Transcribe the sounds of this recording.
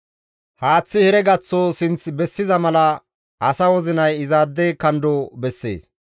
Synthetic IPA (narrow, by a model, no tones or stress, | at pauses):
haːt͡sːɪhɛɾɛɡɐt͡sːoːsɪnt͡sbɛsːɪzɐmɐlɐ | ʔɐsɐwɔzɪnɐjɪzaːd̪ːeːkɐnd̪oːbɛsːḛːs